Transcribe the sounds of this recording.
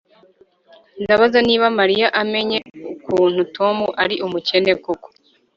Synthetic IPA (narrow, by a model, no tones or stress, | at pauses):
ndaβazaniːβamaɾijaʔame̞ɲe̞ukuːnhutʰo̞muʔaɾiʔumuce̞ne̞kuko̥